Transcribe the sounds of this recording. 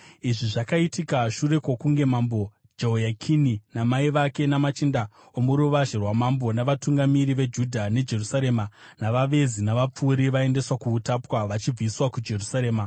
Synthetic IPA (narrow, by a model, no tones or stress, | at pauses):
iʐiʐakaitikaʃure̞kwokuŋɡe̞mambo̞ | d͡ʒeojakʰininamaiʋake̞namat͡ʃinda | omuɾuʋaʒerwamambo̞naʋatuŋɡamiɾiʋe̞d͡ʒudʱane̞d͡ʒe̞rusaɾe̞ːmanaʋaʋe̞zinaʋap͡fuːɾiʋae̞nde̞swakuːtapwaʋat͡ʃib͡viswakud͡ʒe̞rusaɾeːma